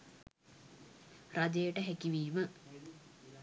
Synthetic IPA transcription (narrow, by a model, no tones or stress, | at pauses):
rad̪ejəʈəɦækiʋiːmə